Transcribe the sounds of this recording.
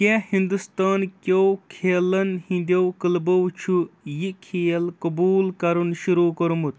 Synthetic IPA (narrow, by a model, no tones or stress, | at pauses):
kʲehind̪ust̪aːnkʲowkʰeːlɐnhĩnd̪ɐwkəlbɐwt͡ʃʰujikʰeːɐlkɐbuːlkɐɾunʃuɾuːkɐɾumut̪̚